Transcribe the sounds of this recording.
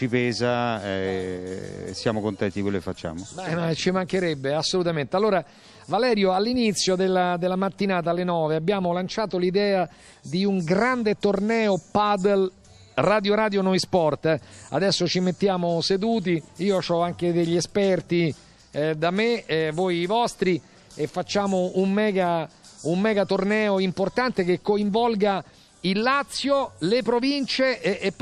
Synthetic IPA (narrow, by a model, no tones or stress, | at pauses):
t͡ʃipɛːzaɛ̰ | sjaːmokont̪ɛnt̪idikwelːoke̥fat͡ʃːa̰ːmobɛmat͡ʃimaŋk̟eɾɛbːeasːolut̪ament̪ealːoːɾa | valɛːɾjoalːinit̪sːjod̪elːad̪elːamat̪ːinaːt̪̬alːenɔːveabːjaːmolant͡ʃaːt̪olid̪ɛːa | d̪iuŋɡɾand̪et̪ornɛːopad̪el | rad̪joɾaːd̪jonɔjspɔrt̪a̰d̪ɛsːot͡ʃimet̪ːjaːmosed̪uːt̪̬iiːot͡ʃɔaŋked̪eʎːiespɛrt̪i | d̪amevojivɔst̪ɾi | efːat͡ʃːaːmoummɛːɡa | umːɛːɡat̪ornɛːoimport̪ant̪ek̟ekːoiɱvɔlɡa | ilːat̪sːjolepɾovint͡ʃeːpː